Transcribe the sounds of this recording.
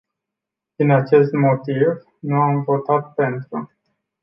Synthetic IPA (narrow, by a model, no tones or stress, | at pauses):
d̪̥inat͡ʃe̞st̪mo̞t̪iv | nuamvo̞t̪at̪̚pe̞nt̪ɾu